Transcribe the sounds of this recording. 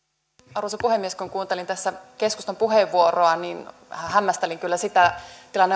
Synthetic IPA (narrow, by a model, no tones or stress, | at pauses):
ɑrusɑpuhemːieskuŋkuːnt̪elint̪æsːæke̞skust̪ompuɦeʋːuoroɑnin | hæhæmːæst̪eliŋkylːæsit̪æt̪ilɑnːe